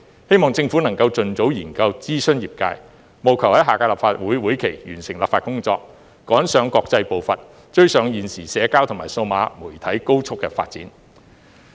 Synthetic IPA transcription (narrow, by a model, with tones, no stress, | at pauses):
he˥jmɔː˨ŋt͡sɪ˧ŋfu˨˥nɐ˨˩ŋkɐ˧wt͡sɵ˨nt͡so˨˥wjiː˨˩nkɐ˧wt͡siː˥sɵ˥njiː˨˩p̚ka̰ː˧j | mo˨wkʰɐ˨˩whɐ˨˥jɦaː˨kaː˧laː˨p̚faː˧t̚wuː˨˥jwuː˨˥jkʰe˨˩jjyː˨˩nsɪ˨˩ŋla̰ː˨pfaː˧t̚kʊ˥ŋt͡sɔː˧k̚ | kːɔː˨˥nsœː˨˥ŋkɔː˧k̚t͡sɐ˧jpo˨wfɐ˨t̚ | t͡ʃɵ˥ɥsœː˨˥ŋjiː˨nsiː˨˩sɛː˨˧kaː˥wt̪ʰʊ˨˩ŋmaː˨˩jso˧wmaː˨˧˥muː˨˩jt̪ʰɐ˨˥jko˥wt͡sʰʊ˥kːɛ̰ː˧fa̰ː˧t̚t͡sḭː˨˥n